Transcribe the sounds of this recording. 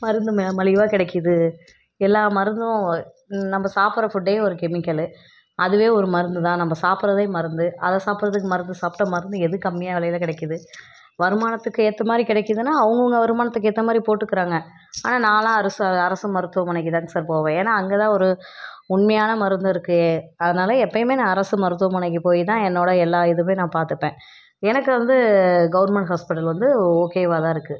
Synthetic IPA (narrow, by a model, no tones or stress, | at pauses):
mɐɾɯnd̪ɯmɐmɐlɪʋaːkɪɽɛkːɯðɯ | ɛlːaːmɐɾɯnd̪ɯõ | nɐmbɐsaːpɯɾɐfʊɖːeːɔɾɯkɛmɪkːɐlɯ | ɐðɯʋeːɔɾɯmɐɾɯnd̪ɯt̪ãːnɐmːbɐsaːpɯɾɐðɐmɐɾɯnd̪ɯʔɐðɐsaːpɯɾɐðɯkːɯmɐɾɯnd̪ɯsaːpʈɐ̃mɐɾɯnd̪ɯɛðɯkɐmːɪjaːʋɪlɐjɪlɐkɪɽɛkːɯðɯ | ʋɐɾɯmaːnɐt̪ːɯkːɯɛt̪ːɐmaːd̪ɾikɪɽɛkːɯðɯnːaːʋɐŋɡɐɐŋɡɐʋɐɾɯmaːnɐt̪ːɯkːɯɛt̪ːɐmaːd̪ɾipoːʈːɯkːɪɾaːŋɡɐ | aːnaːnaːlãːɐɾɐsɯɐðɐɾɐsɯmɐɾɯt̪ːɯʋɐmɐɳɛk̬ːit̪ãːŋɡsaːɾpoːʋẽːeːnːaːɐŋɡet̪ãːɔɾɯ | ʊɳmɐjaːnɐmɐɾɯnd̪ɯɪɾɯkːɯeːɐðɐnaːlɐɛpːɐjmeːnãːɐɾɐsɯmɐɾɯt̪ːɯʋɐ̃mɐɳɐk̬ːipoːjit̪ãːɛnːoːɽɐɛlːaːɪðɯmeːnãːpaːɾt̪ɯpːẽː | ɛnɐkːɯʋɐnd̪ɯɡɐʋɐɾmɛɳʈɦaːspɪʈːɐlʋɐnd̪ɯoːkeːʋaːðãːɪɾɯkːɯ